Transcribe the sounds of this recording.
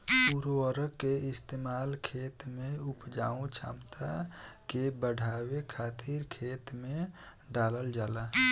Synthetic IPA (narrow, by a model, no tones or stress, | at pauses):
puɾoəɾəkːeɪst̪eːmaːlkʰeːt̪mẽʊpd͡ʒaːũt͡ʃʰa̰ːmt̪ʰakebəɖʱaːwekʰaːt̪ʰiɾkʰeːt̪mẽ | ɖaːləld͡ʒaːla